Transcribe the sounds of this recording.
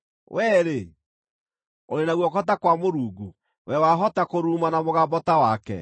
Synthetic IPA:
wʔɛːɾe | oɾenaɣwɔkɔt̬akwamoɾuːɡu | wɛwaɦɔtakoɾuːmanamoɣaːmbɔtawakɛ̰

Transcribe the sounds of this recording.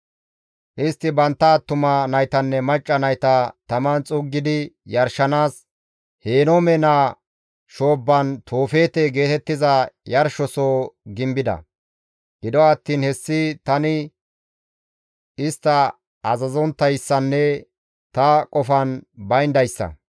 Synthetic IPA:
ʔɪst̪ːɪbɐnt̪ːɐːt̪ːʊmɐnɐjt̪ɐnːɛmɐt͡ʃʼːɐnɐjt̪ɐt̪ɐmɐnt͡sʼʊɡːɪd̪ɪjɐɾʃɐnaːs | heːnomɛnaː | ʃo̞ːbːɐnt̪ʰoːfe̞ːt̪eɡe̞ːt̪ɛt̪ːɪzɐjɐɾʃɔsoːɡɪmbɪd̪ɐ̰ | ɡ̥ɪd̪ɔɐt̪ːiːnhɛsːɪt̪ɐnɪ | ɪst̪ːɐ | ɐzɐzɔnt̪ːɐjsːɐnːɛ | t̪ɐkʼɔfɐnbɐjnd̪ɐjsːɐ̰

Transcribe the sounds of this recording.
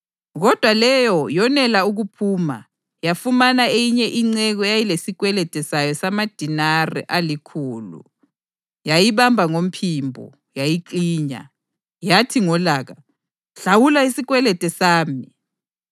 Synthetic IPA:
ɣɔd̥ʱwalɛjɔjɔnɛlauɣupʰuːma̰ | jafumanaejiɲɛʔiŋ͡ǀɛɣɔjajilesiɣwɛlɛtʼɛsajɔsamad̥ʱinarɛ̰ʔalikʰuːlṵ | jajiβambʱaŋom̩pʰimbʱɔ̰ | jajiǃiːɲa̰ | jatʰiŋɔlaːɣa | ɬawulaisiɣwɛlɛtʼɛsaːmi

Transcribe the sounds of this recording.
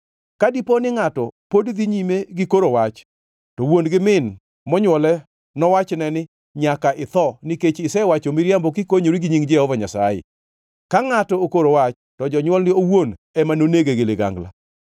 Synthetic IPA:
kadiponɪŋatɔpodd̪iɲimeɡɪkoɾowat͡ʃ | tɔwonɡɪmɪn | mɔɲwɔlɛ | nɔwat͡ʃnɛnɪ | ɲakaʔɪt̪ɔniket͡ʃɪsɛwat͡ʃomɪɾjambɔkikoɲoɾiɡiɲiŋd͡ʒɛɔvɔɲasa̰jḛ | kaŋatɔokoɾowat͡ʃ | tɔd͡ʒɔɲwɔlnɪowon | ɛmanoneɡeɡeleɡa̰ŋɡla̰

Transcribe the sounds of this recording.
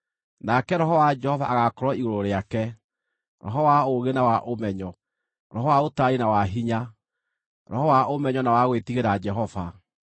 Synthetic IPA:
nakɛɾɔɦɔwad͡ʒɛhɔvaʔaɣakɔɾɔiɣoɾoɾeakɛ | ɾɔ̰ɦɔwaoɣenawaʔomɛɲɔ | ɾɔɦɔwaotaɾinawaɦiɲa | ɾɔhɔwaomɛɲɔnawaɣwetiɣeɾad͡ʒɛɦɔva

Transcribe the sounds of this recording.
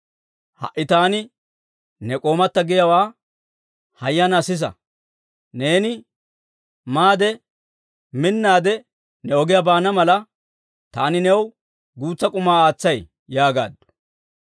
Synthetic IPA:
hɐ̰ʔːɪt̪aːnɪ | nɛkʼo̞ːmɐt̪ːɐɡɪjɐwaː | hɐjːɐnɐsɪs̬ɐ̰ | ne̞ːnɪ | maːd̪ɛ | mɪnːaːd̪ɛ | nɛɔɡɪjɐbaːnɐmɐlɐ | t̪aːnɪnɛw | ɡuːt͡sːɐkʼʊmaːaːt͡sːɐj | jaːɡa̰ːd̪ːʊ̥

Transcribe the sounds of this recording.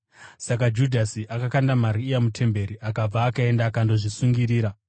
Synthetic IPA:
sakad͡ʒudʱasiʔakakandamaɾiːjamutʰe̞mbe̞ɾiʔakab͡vaːkae̞ndakando̞ʐisuŋɡiɾiːɾa

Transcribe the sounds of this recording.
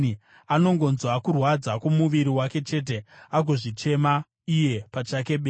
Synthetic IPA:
i | ano̞ŋɡo̞nzwakurwad͡zakomuʋiɾiwake̞t͡ʃe̞ːt̬e̞aɡʱo̞ʐit͡ʃe̞ma | ije̞pat͡ʃake̞ɓeː

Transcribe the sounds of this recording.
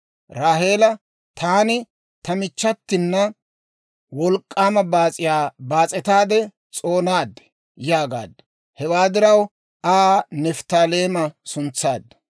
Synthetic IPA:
ɾaːɦe̞ːlɐ | t̪ʰaːnɪ | t̪ɐmɪt͡ʃːɐt̪ːɪnːɐ | wɔlkʼːaːmɐbaːt͡sʼɪjaːbaːt͡sʼɛt̪aːd̪ɛ | t͡sʼo̞ːnaːd̪ːɛ̥ | jaːɡa̰ːd̪ːɐ | hɛwaːd̪ɪɾɐw | aːnɛft̪aːle̞ːmɐsʊnt͡sːaːd̪ːɐ̥

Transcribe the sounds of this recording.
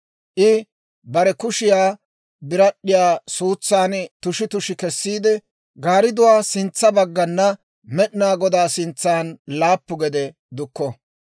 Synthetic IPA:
ʔɪ | bɐɾɛkʊʃɪjaː | bɪɾɐɗːɪjaːsuːt͡sːaːnt̪ʊʃɪt̪ʊʃɪkɛsːiːd̪ɛ | ɡaːɾɪd̪ʊwaːsɪnt͡sːɐbɐɡːɐnːɐ | mɛɗɪnaːɡɔd̪aːsɪnt͡sːaːnlaːpːʊɡɛd̪ɛ | d̪ʊkːɔ

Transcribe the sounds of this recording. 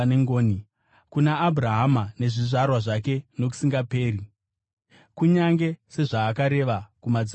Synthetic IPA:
eŋɡoːni | kunaːburaɦamane̞ʐiʐarwaʐak̬e̞no̞k̬u̥siŋɡape̞ːri | kuɲaŋɡe̞se̞ʐaːkaɾe̞ʋakumad͡z

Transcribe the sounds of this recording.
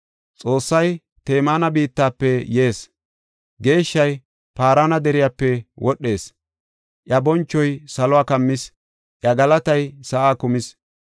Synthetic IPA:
t͡sʼo̞ːsːɐj | t̪e̞ːmaːnɐbiːt̪ːaːpːɛje̞ːs | ɡe̞ːʃːɐj | paːɾaːnɐd̪ɛɾɪjaːpːɛwʔɔɗːe̞ːs | ʔjɐbɔnt͡ʃːɔjsɐlɔaːkɐmːɪs | ʔjɐɡɐlɐt̪ɐjsɐʔaːkʊmɪs

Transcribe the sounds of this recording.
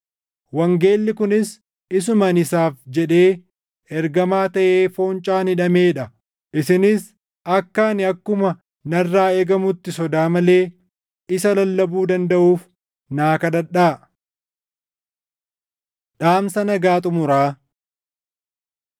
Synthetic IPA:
wɐŋɡe̞ːlːɪkʊnɪs | ɪs̬ʊmɐnɪsaːfd͡ʒɛᶑe̞ː | ɛɾɡɐmaːt̪ɐʔeːfo̞ːnt͡ʃʼaːnhɪᶑɐme̞ːᶑɐ | ʔɪsɪnɪs | ɐkːaːnɪɐkːʊmɐ | nɐrːaːeːɡɐmʊt̪ːɪsɔd̪aːmɐle̞ː | ɪsɐlɐlːɐbuːd̪ɐnd̪ɐʔuːf | naːkɐd̪ɐᶑaː | ᶑaːmsɐnɐɡaːt̪ʼʊmʊɾaː

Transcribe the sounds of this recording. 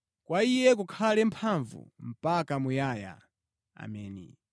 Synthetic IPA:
kwaijɛk̬ukʰalɛm̩pʰaɱvṵm̩pakamujaːja̰ | a̰mɛːnḭ

